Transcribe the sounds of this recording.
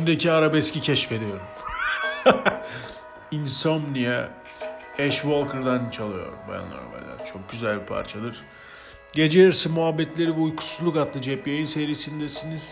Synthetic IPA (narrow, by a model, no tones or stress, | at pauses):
ʃimd̪ecʰiaɾabɛscʲicʰɛʃfe̞d̪ijo̞ɾum | insomnija | ɛʃvolˠkʰɯɾd̪ant͡ʃʰalˠɯjo̞̰ɾṵmba̰ja̰nlˠa̰ɾba̰lʲa̰ɾt͡ʃʰo̞k̚ɟyzælʲbipʰa̰ɾt͡ʃʰad̪ɯɾ̥ | ɟe̞d͡ʒejiɾsɯmuɦabːɛt̪lʲe̞ɾivɛujkʰu̥sulˠukat̪lˠɯd͡ʒɛpjajinseɾiːsind̪ɛsiniz̥